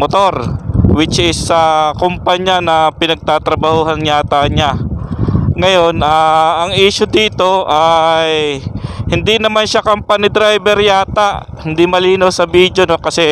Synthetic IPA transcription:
mot̪o̞ɾwɪt͡ʃʔɪsːɐkʊmpaɲanɐpɪnɐɡ̚t̪aːt̪ɾɐbɐhuːɦɐnjaːt̪aɲa | ŋɐjo̞nʔaːɐŋiːʃod̪iːt̪o̞ʔajhɪnd̪inɐmanʃakɐmpanɪd̪ɾajbɛɾjaːt̪aʔ | hɪnd̪imɐliːnawsɐbiːd̪jono̞kɐsɛ

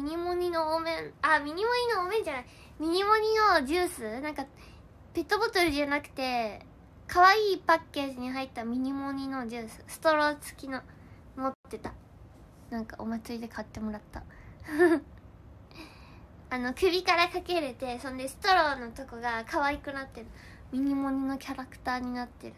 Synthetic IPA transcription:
mʲiɲ̟imoɲ̟ino̞omẽnamʲiɲ̟imo̞ɲ̟inooːmẽ̞ɲd͡ʑanai | mʲiɲ̟imo̞ɲ̟ino̞d͡ʑɨːsɨnãŋka | pe̞t̪ːobo̞t̪oɾɯ̟ʑanakɯ̟̥t̪e̞ | kʰaβaiːpakːe̞ːʑiɲ̟iɦait̪ːamʲiɲ̟imo̞ɲ̟ino̞d͡ʑɨːsɨ̥sɨ̥t̪o̞ɾo̞t͡sɨ̥kʲino | mot̪ːe̞t̪a | nãŋkaʔo̞̰mat͡sɨɾʲid̪e̞kʰat̪ːe̞mo̞ɾat̪ːa | ano̞kɯ̟bʲikaɾakake̞ɾe̞t̪e̞sõ̞nd̪e̞sɨ̥t̪o̞ɾo̞ːno̞t̪o̞koɡakʰaβaikɯ̟nat̪ːe̞ɾɯ̟ | mʲiɲ̟imo̞ɲ̟ino̞kʲaɾakɯ̥t̪aːɲ̟inat̪ːe̞ɾɯ̟

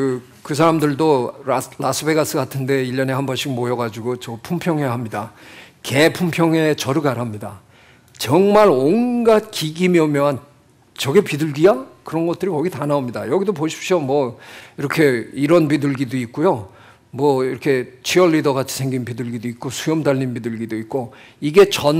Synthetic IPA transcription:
ɯ | kɯsʰaɾamdɯɭdolasʰɯbe̞ɡas͈ʰɯɡatʰɯnde̞iʎːʌne̞hambʌnɕʰiɡmojʌɡad͡ʑuɡot͡ɕʌpʰumpʰjʌŋeɦamɲida | ke̞pʰumpʰjʌŋe̞t͡ɕʌɾɯɡaɾɦamɲida | t͡ɕʌŋmaɾonɡat̚kiɡimiʌmjʌɦan | t͡ɕʌɡepidɯɭɡiakɯɾʌnɡʌt̚t͈ɯɾikʌɡitanaomɲida̰jʌɡidopoɕʰi̥p̚ɕ͈ʰjomwʌiɾʌkʰe̞iɾʌnpidɯɭɡidoik̚k͈ujo | mwʌiɾʌkʰe̞t͡ɕʰiʌɭːidʌɡat͡ɕʰi̥sʰe̞ŋɡinpidɯɭɡidoik̚k͈osʰujʌmdaʎːinbidɯɭɡidoik̚k͈o | iɡe̞t͡ɕʌn

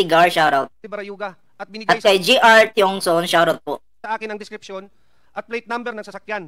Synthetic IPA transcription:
ɪɡaɹʃawɾawt̪̚ɪbɐɾɐjuːɡɐ | ʔɐt̪̚bɪniɡɐtkɐjd͡ʒiʔaɹt̪jʊŋsonʃawɾawt̪̚po | ɐʔaːkɪnɐŋd̪ɪskɾɪpʃon | ʔɐt̪̚plejt̪̚nambɛɾnɐŋsɐsɐkjan

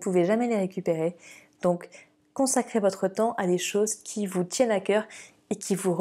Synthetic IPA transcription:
puveʒamɛleʁekʲypeʁed̪̥ɔ̃kː | ɔ̃sakχevɔt̪χət̪ɑ̃ʔad̪eʃozkʲʰivut̪jɛnakʲœːʁ | ekʲʰivuʁ

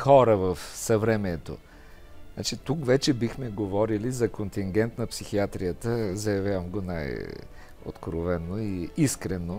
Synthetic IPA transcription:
xɔɾəvɐfsɐvɾɛmɛt̪o̰ | nat͡ʃit̪ukvɛt͡ʃɛbixmɛɡovɔɾilizɐkont̪iŋɡʲɛnt̪nɐpsixiat̪ɾijət̪əzɐjɐvʲjavəmɡona̰j | o̰t̪kɾovɛnoiiskɾɛno

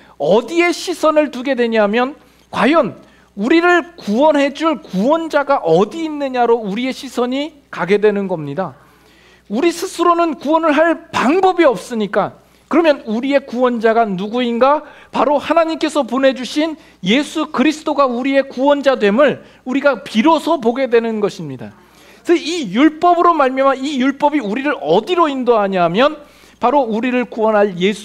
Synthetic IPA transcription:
ʌdie̞ɕʰisʰʌnɯɭtuɡe̞dwe̞ɲɦamjʌn | kwajʌn | uɾiɾɯɭkuwʌnɦe̞d͡ʑuɭkuwʌnd͡ʑaɡaʔʌdiːnːɯɲaɾouɾie̞ɕʰisʰʌɲi | kaɡe̞dwe̞nɯnɡʌmɲida | uɾisʰɯsʰɯɾonɯnkuwʌnɯɭɦaɭpaŋbʌbiʌp̚s͈ɯɲik͈a | kɯɾʌmjʌnuɾie̞kuwʌnd͡ʑaɡanuɡuinɡapaɾohanaɲimk͈e̞sʰʌpone̞d͡ʑuɕʰin | je̞sʰukɯɾisʰɯ̥t͈oɡauɾie̞kuwʌnd͡ʑadwe̞mɯɭ | uɾiɡapiɾʌsʰʌpoɡe̞dwe̞nɯnɡʌɕʰimɲida̰ | sʰʌijuɭp͈ʌbɯɾomaɭmjʌmaijuɭp͈ʌbiuɾiɾɯɾʌdiɾoindoɦaɲaɦamjʌn | paɾouɾiɾɯɭkuwʌnɦaɭjesʰ

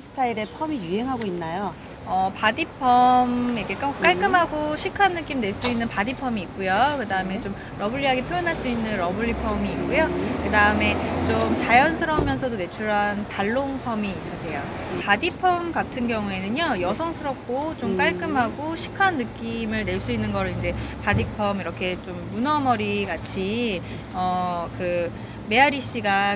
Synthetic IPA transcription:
sʰɯ̥tʰaiɾe̞pʰʌmijuɦe̞ŋɦaɡoinːajo | ʌpadipʰʌmikk͈ak͈aɭk͈ɯmɦaɡoɕʰikʰanːɯk͈imne̞ɭs͈uinːɯnpadipʰʌmiːk̚k͈ujokɯdaɯme̞t͡ɕom | ɾʌbuɭːiɦaɡipʰjojʌnɦaɭs͈uinːɯnɾʌbuʎːipʰʌmiːk̚k͈ujokɯdaɯme̞t͡ɕomt͡ɕajʌnsʰɯɾʌmjʌns̬ʰʌdone̞t͡ɕʰuɾɦanpaɭːoŋpʰʌmiːs͈ʌsʰe̞jo | padipʰʌmɡatʰɯnɡjʌŋue̞nɯɲojʌsʰʌŋsʰɯɾʌp̚k͈ot͡ɕomk͈aɭk͈ɯmɦaɡoɕʰi̥kʰanːɯk͈imɯɭne̞ɭs͈uinːɯnɡʌɾɯɭind͡ʑe̞padipʰʌmiɾʌkʰe̞t͡ɕomːunʌmʌɾiɡat͡ɕʰi | ʌkɯ | me̞aɾiɕ͈iɡa

